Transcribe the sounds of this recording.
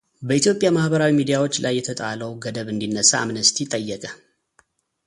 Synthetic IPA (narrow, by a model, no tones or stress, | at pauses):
bəit̪jo̞pʼjamahbəɾawimid̪ijawo̞t͡ʃːlʔajːɛt̪ʰət̪ʼaləwɡəd̪əβɨnd̪inːəsaamnəst̪ʰit̪ʼəjːəkʼə